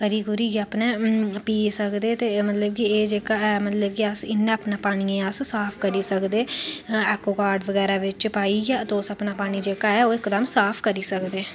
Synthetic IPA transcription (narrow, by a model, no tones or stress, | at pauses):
kəɾiːɡʊɾiːɡəpnẽːpiːsəkd̪eːt̪eːmət̪ləb̚kieːd͡ʒeːkaːɛmət̪ləb̚kiəsɪnːẽːəpnaːpaːɽ̃iːẽːəssaːpʰkəɾiːsəkd̪eːɛːkoːkaːɾɖʋəɡɛːɾaːʋɪt͡ʃpaːiːɡaːt̪oːsəpnaːpaːɽ̃iːd͡ʒeːkaːɛːoːɪkd̪əmsaːpʰkəɾiːsəkd̪eː